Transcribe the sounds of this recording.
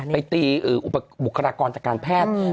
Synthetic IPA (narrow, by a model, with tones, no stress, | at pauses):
a˧jt̪iː˧ʔɯː˨˩ʔu˨˧˩pːa˧ɓu˨˩kʰːa˧ɾaː˧kɔː˧nt͡ɕa˨˩kaː˧npʰɛː˥˩t̪̚